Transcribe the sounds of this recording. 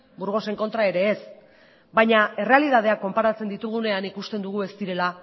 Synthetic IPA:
buɾɣ̞o̞se̞ŋko̞nt̪ɾae̞ɾe̞ːs | bajɲae̞re̞alið̞að̞e̞akːo̞mpaɾat͡sed̪it̪uɣ̞une̞anikust̪e̞nd̪uɣ̞ue̞st̪iɾe̞la

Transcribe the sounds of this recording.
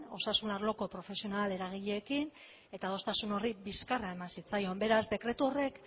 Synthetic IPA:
o̞sasunaɾlo̞ko̞pɾo̞fe̞sio̞nale̞ɾaɣ̞iʎeːkin | e̞t̪aðo̞st̪asuno̞ribiskaraemansit͡sajo̞mbe̞ɾazd̪e̞kɾe̞t̪uo̞re̞k

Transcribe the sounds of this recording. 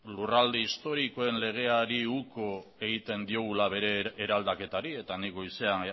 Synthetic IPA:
lurald̪eist̪o̞ɾiko̞e̞nle̞ɣ̞e̞aɾiuko̞e̞ɣit̪e̞nd̪io̞ɣ̞ulaβe̞ɾe̞ːɾald̪ake̞t̪aɾie̞t̪anikɡo̞jse̞an

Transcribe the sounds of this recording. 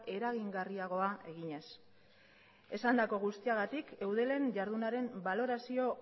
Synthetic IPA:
e̞ɾaɣ̞iŋɡariaɣ̞o̞aʔe̞ɣiɲe̞s | e̞sand̪ako̞ɣ̞ust̪iaɣ̞at̪ike̞wð̞e̞le̞nʝaɾð̞unaɾe̞mbalo̞ɾasio̞

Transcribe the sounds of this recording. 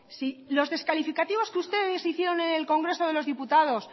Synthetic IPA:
silo̞zðe̞skalifikat̪iβ̞o̞skeust̪e̞ðesiθjeɾo̞nene̞lko̞ŋɡɾe̞soð̞e̞lo̞zðiput̪að̞o̞s

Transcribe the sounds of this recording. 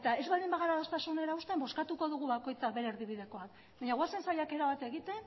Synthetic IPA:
t̪ae̞zβald̪imbaɣaɾaðost̪asune̞ɾaust̪embo̞skat̪uko̞ðuɣuβako̞jt͡sakβe̞ɾeɾðiβiðe̞ko̞ak̚ | baɲaɣwase̞nsajake̞ɾaβat̪e̞ɣit̪e̞

